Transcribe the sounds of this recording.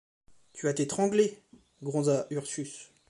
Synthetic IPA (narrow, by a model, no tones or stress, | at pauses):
t̪ʰyat̪et̪χɑ̃ɡle | ɡʁɔ̃zaʔyʁsys